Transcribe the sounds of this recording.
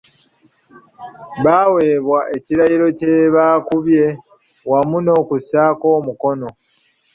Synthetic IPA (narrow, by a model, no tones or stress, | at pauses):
βawe̞ːβwaʔe̞ciɾajiɾo̞ceβaːkuβje̞ | wamuno̞ːkusaːko̞ːmuko̞no̞